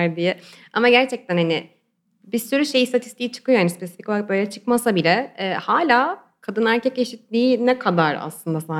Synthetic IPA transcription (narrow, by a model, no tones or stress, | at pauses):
ɾd̪ijɛ | amaɟæɾt͡ʃʰɛc̚t̪ʰænhanɪ | bisyɾyʃe̞jist̪ʰat̪ʰi̥st̪ʰijt͡ʃʰɯ̥kɯjohanispʰe̞si̥ficvak̚bøjlʲɛt͡ʃʰɯ̥kmasabilʲɛːhaːlʲaː | kʰad̪ɯnæɾcʰɛceʃit̪lʲiːinɛkʰad̪aɾa̰slˠɯnd̪asa